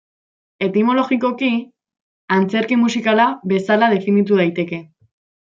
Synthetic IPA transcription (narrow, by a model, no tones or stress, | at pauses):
e̞t̪imo̞lo̞ɣiko̞ki | ant͡se̞ɾkimusikalaβe̞salað̞e̞finit̪uð̞ajt̪e̞ke̞